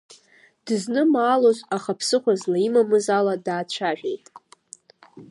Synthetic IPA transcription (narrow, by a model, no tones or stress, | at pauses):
d̥ɨznɨmaːlozʷʼaχapʰsɨχʷazlaimamɨzaladaːt͡ɕʷʰaʒᶣejtʼ